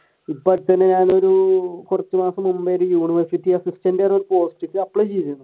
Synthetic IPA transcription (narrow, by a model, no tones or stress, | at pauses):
ipːɐɾt̪ːɐnːeɲaːno̞ɾukurɐt͡ɕːumaːsɐmumbɐjɐɾujuːɳiʋɐrsitːiɐsistɐndaːnoɾupo̞ːsʈːitːiɐpːɐɭet͡ɕejt̪iunːu